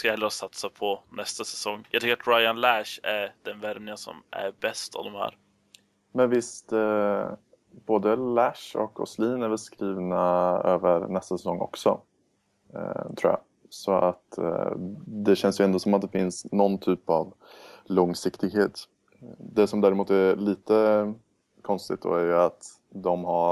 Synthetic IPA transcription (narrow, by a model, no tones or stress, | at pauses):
skajɛlːɾəɾɔsat̪sapʰɔnɛst̪asɛsɔŋːjɑɡt̪ʏkːɾat̪ɾajanlæʂæɖ̪̥ɛnvæɾmnɪasɔ̰mæ̰ɾbɛst̪a̰vd̪ɔmhæ̰ːɾ | mɛnvɪst̪ | boːd̪əlæʂɔ̰kʰɔ̰sliːnæɾvɛlskɾiːvnaøːvəɾnɛst̪asɛsɔŋːʔɔ̰ksɔ̰ | t̪ʰɾuːja̰ | sɔʔat̪ | d̪ɛɕɛnsjɵɛnd̪ɔsɔmat̪̚d̪ɛfɪnsnɔnt̪ʰyːpa̰v | lɔŋːsɪkt̪ɪɡɦeːt̪ | d̪ɛsɔmd̪æːɾɪmuːt̪æɾliːt̪ə | kʰɔnst̪ɪɡ̚t̪̚d̪o̰ːæɾjɵat̪ | d̪ɔmɦaɾ